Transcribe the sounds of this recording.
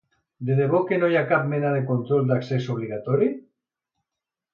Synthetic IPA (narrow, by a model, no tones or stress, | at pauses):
d̪eðeβ̞okenojakap̚menað̞ekont̪ɾold̪aksesoβ̞liɣ̞at̪oɾi